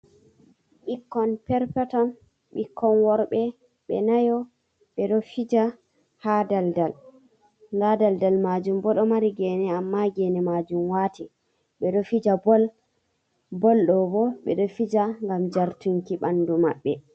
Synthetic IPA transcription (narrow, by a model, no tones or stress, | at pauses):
ɓikːɔnpɛɾpɛtɔn | ɓikːɔnwɔɾɓɛ | ɓɛ̰najɔ | ɓɛɗɔfid͡ʒa | hadaldal | ndadaldalmad͡ʒumbɔɗɔmaɾiɡɛːnɛamːaɡɛːnɛmad͡ʒumwaːti | ɓɛɗɔfid͡ʒal | bɔlɗɔbɔɓɛ̰ɗɔfid͡ʒaŋɡamd͡ʒaɾtuŋkiɓanduma̰ɓːɛ